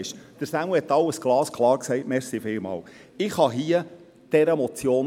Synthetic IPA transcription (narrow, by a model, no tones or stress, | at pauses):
ɪʃd̥əɾsæməhɛt̪ːɑwəsɡ̥lɑːskʰlˠɑːɾksɛɪtmɛɾsifɪlmɑ̰ːw | ɪχhɑɦiə | d̥ɛɾəmɔt͡sjoːn